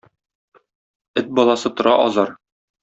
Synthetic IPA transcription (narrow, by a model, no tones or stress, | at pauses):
ɘt̪̚bɒlˠɑsɤt̪ŏɾɑʔɒzɑɾ